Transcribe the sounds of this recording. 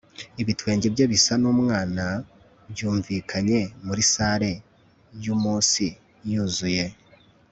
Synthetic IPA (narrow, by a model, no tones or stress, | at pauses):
iβitwe̞ːɲɟebjeβisanuːmŋaːna | bjuːɱviːkʰaɲe̞muɾisaːɾe̞ | jumuːsi | juzuje̞